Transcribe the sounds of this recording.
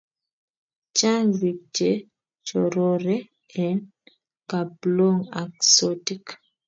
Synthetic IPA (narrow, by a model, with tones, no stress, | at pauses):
t͡ʃa˦nzi˨k̚t͡ʃe˦ | t͡ʃɔɾɔɾɛ˦ | ɛ˨n | ka˨blo˦ŋa˨ksɔti˦k